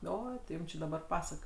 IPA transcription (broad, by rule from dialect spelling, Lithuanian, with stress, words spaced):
ˈoːɪ tʲɪ ˈjuːm t͡ʃʲɪ dɐˈbɐr ˈpɑːsɐk